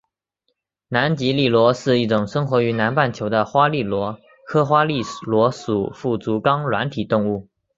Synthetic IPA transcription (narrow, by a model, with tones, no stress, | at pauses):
na˧˥nt͡ɕi˧˥li˥˩lwɔ˧˥ʂɻ̩˥˧i˥˩ʈ͡ʂʊ˨˩ŋʂɤ˥ŋxwɔ˧˥y˧˥na˧˥npa˥˩nt͡ɕʰjo˧˥ʊd̪ə˧xwa˥li˥˩lwɔ˧˥ | kʰɤ˥xwa˥li˥˩lwɔ˧˥ʂu˨˩fu˥˩t͡su˧˥kɑ˥ŋlwa˧˥nt̪ʰi˨˩t̪ʊ˥˧ŋu˥˩